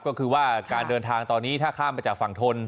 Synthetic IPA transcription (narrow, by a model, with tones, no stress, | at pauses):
p̚kɔː˥˩kʰɯː˧waː˥˩kaː˧ndɤː˧nt̪ʰaː˧ŋt̪ɔː˧nːiː˦˥t̪ʰaː˥˩kʰaː˥˩mːaː˧t͡ɕaː˨˩k̚fa˨˩ŋt̪ʰo˧n